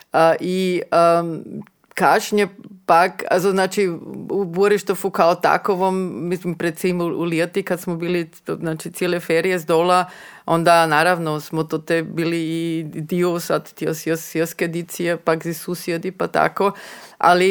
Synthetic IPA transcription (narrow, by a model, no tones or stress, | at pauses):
əʔiə | kaʃɲepaka̰zoznaːt͡ʃiuboɾiʃt̪ofukaot̪a̰koʋomːislimpɾed̪̚simuuljet̪ikad̪smobiːli | znaːt͡ʃit̪sjelefeɾijezd̪olaond̪anaːɾaʋnosmot̪ot̪ebiːliːd̪iosad̪t̪josesjesked̪it̪sijepakzisusjed̪ipat̪a̰koa̰li